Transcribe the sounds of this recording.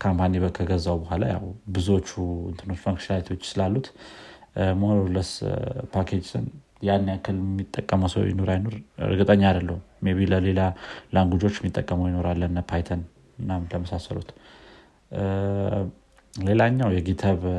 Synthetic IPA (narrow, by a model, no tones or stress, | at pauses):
kʰampʰaniβəkʰəɡəzːawubəhʷala̰ja̰wbɨzuo̞t͡ʃːuɨ̰nt̪ʰɨno̞t͡ʃːfakʃalit̪ʰo̞t͡ʃːsɨlalːut̪ | moɾoləspʰakʰe̞d͡ʒsɨ̰n | janːjakːɨlmːit̪ʼːəkʼːəməwsə̰wjɪ̰no̞ɾajno̞ɾɨ̰ɾɡɨt̪ʼəɲːad̪əlːəhumeβiləle̞lalaŋɡud͡ʒo̞t͡ʃːɛmit̪ʼːəkʼːəməwjɪno̞ɾalːənpʰajt̪ʰən | ɨnːamləməsasə̰lṵt̪ | le̞laɲːawjɛɡit̪ʰaβ